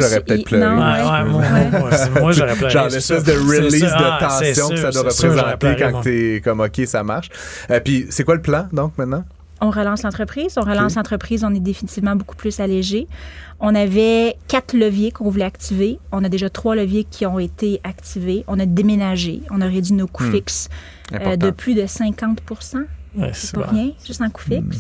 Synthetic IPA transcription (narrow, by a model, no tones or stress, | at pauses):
ʒɔʁɛppət̪ɛtpl̃ɛwɛ | ʒɑ̃ːlɛspɛs̬d̪əʁilisd̪ət̪ɑ̃sjɔ̃kəsad̪waʁəpʁezɑ̃t̪ekɑ̃kt̪ekɔmɔkʲesamaʁʃəpisekwaləplɑ̃d̪ɔ̃k̚mɛ̃t̪̚nɑ̃ | ɔ̃ʁəlɑ̃slɑ̃t̪χəpχiːzɔ̃ʁəlɑ̃slɑ̃t̪χəpχiːzɔ̃nɛd̪efinit̪ivmɑ̃boku̥plʏsaleʒe | ɔ̃navɛkat̪ləvjekɔ̃vulɛak̚t̪iveɔ̃nad̪eʒat̪χwaləvjekʲʰiɔ̃et̪eakt̪iveɔ̃nad̪emenaʒeɔ̃naʁed͡z̪ɥinoku̥fɪks | ɛ̃ød̪əpʰlyd̪əsɛ̃kɑ̃t̪puʁsɑ̃sepɔʁjɛ̃ʒɨst̪ɑ̃ku̥fɪks